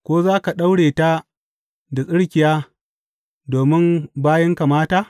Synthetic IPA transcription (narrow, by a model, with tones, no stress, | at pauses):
kʷoː˦zaː˦ka˨ɗa˦wɽeː˨ta˦ | da˨sʼɪ˦ɽkʲɪ˨jaː˦ | doː˨mɪ˦mbaː˦jɐ˦ŋka˨maː˦taː˦˨